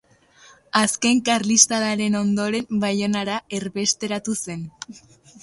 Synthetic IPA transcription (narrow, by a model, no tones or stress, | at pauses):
aske̞ŋkarlist̪alaɾe̞no̞nd̪o̞ɾe̞mbajo̞naɾae̞ɾβe̞st̪e̞ɾat̪use̞n